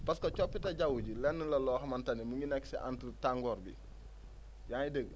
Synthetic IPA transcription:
pɐskɐt͡ʃɔpːitɐɟawuɟilɛnːəlɐlɔːxɐmɐntɐnimuŋɡinɛksḭʔa̰ntətaŋɡɔːɾɡḭ | jaːjidəɡ

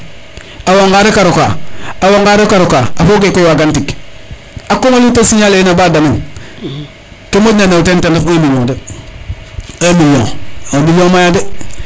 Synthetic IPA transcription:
awaŋɡaːdekaɾoka̰awaŋɡaːɾekaɾokaafokekojwaːɡantik | akomalitasiɲalenabaːdamen | kemonanetentenafamilode | amilo̰ŋobilomajade

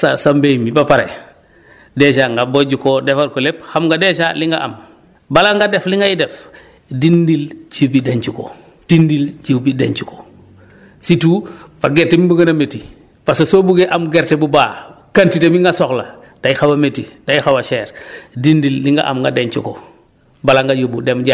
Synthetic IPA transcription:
sasambemibapaɾḛ | deʃaŋɡaboɟukodefaɾkolepxamŋɡadeʃaliŋɡaʔa̰m | balaŋɡadefliŋɡajidef | dindilt͡ʃibideɲt͡ʃuko̰ | d̥indilt͡ʃibideɲt͡ʃuko̥ | situpaɡeɾtemibuŋɡɐnameti | pasosobuɡeʔamɡeɾtebubaːkantitemiŋɡasoxla | d̥ajixawametidajixawaʃeːɾdindilːiŋɡa̰ʔa̰mŋɡa̰deɲt͡ʃuko | balaŋɡajobudemɟa

